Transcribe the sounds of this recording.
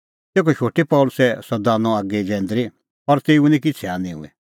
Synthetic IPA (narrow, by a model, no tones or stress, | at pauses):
t̪eːkʰɔʃoːʈipɔːlʊsɛsɐd̪aːnɔ̃aːɡed͡ʒɛ̃ːnd̪ɾi | ɐɾt̪eːʊnĩkɪt͡sʰɛanĩɦṵ̃ɛ̰